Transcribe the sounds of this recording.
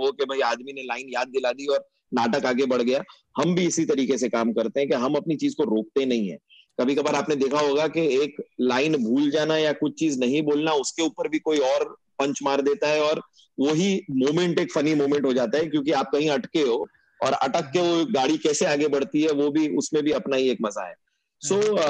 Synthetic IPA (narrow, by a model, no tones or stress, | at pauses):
ɦokebʱɐiaːd̪minelaːɪnjaːd̪̚ːɪlad̪iɔːɾ | naːʈəkaːɡebɐɽ̤ɡɐja | hɐmbʱiɪsit̪ɐɾiːkesekaːmkɐɾt̪ẽɦɛ̃keɦɐmɐpnit͡ʃiːzkoɾoːk̚t̪enɐɦĩɦɛ̰̃ː | kɐbʱikɐbəɾaːpned̪eːkʰaɦoːɡakeeːklaːɪnbʱuːld͡ʒaːnajakʊt͡ʃʰt͡ʃiːznɐɦĩboːlnaʊskeuːpəɾbʱikoːiɔːɾ | pɐ̃ɲt͡ʃmaːɾd̪eːt̪aɦɛɔːɾ | ʋoɦimoːmɛ̃ɳʈeːkfɐnimoːmɛ̃ɳʈɦod͡ʒaːt̪aɦɛkjõːkiaːp̚kɐɦĩɐʈkeɦoː | ɔ̰ːɾɐ̰ʈəkːeʋoɡaːɽikɛːseaːɡebɐɽ̤t̪iɦɛʋobʱiʊsmẽbʱiɐpnaɦieːkmɐza̰ɦɛ̰ː | soː